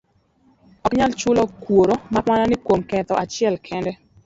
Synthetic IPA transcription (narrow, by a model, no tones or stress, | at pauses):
ɔkɲalt͡ʃʊlɔkwoɾomawananɪkwomkɛt̪ɔʔat͡ʃɪɛlkʰɛndɛ